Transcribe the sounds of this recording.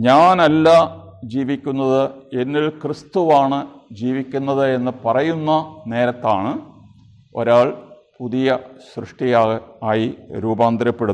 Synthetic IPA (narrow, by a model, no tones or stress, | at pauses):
ɲaːnɐlːa | d͡ʑiːʋikʲːunːɐðɨe̞nːilkrist̪uʋaːɳɨ | d͡ʑiːʋikʲːunːɐðɨe̞nːɨpɐrɐjunːɐne̞ːɾɐt̪ːaːɳɨ | o̞̰ɾaːɭ | puðijɐɕrɨʂʈijaːɣɨaːjiɾuːbaːnd̪ɾɐpːe̞ɽu